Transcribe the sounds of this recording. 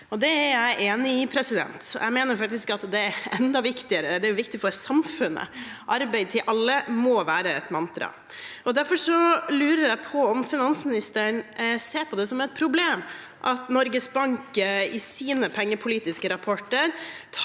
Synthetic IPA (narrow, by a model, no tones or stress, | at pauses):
ɔd̪ɛæɾjæɪʔeːnɪɪpʰɾɛsɪd̪ɛ̰nt̪jæ̰ɪmeːnəɾfɑk̚t̪ɪskɑt̪d̪ɛæɾɛnd̪ɑʋɪkt̪ɪəɾəd̪ɛæɾjʊʋɪkt̪ɪfɔɾsɑmfʉnːə̰ʔɑɾbæɪd̪̚t̪ʰɪlʔɑlːəmɔʋæːɾəɛt̪mɑnt̪ɾɑ̰ | ɔd̪æɾfɔʂɔlʉːɾəɾjæɪpʰɔɔmfɪnɑnsmɪnɪst̪əɳseːpʰɔd̪ɛsɔmɛt̪̚pʰɾʊbleːm | ʔɑt̪nɔɾɡəsbɑŋkəɪsiːnəpʰɛŋːəpʰʊliːt̪ɪskəɾɑpʰɔʈːəɾt̪ʰ